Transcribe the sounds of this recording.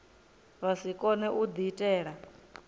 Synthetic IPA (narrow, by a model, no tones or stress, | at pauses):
βasikʼɔnɛʔud̪itʼɛːɺa